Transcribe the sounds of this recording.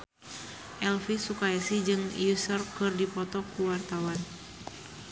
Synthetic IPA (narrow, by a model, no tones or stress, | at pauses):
ʔɛlfisukaasid͡ʒɨŋijusɔrkɨrdipɔt̪ɔkuwart̪awan